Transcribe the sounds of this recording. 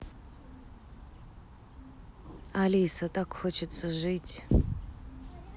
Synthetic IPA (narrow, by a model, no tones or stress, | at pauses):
alijsɐtʼakxot͡ʃʰɛt͡sʰɐʒɨjtʲʰʼ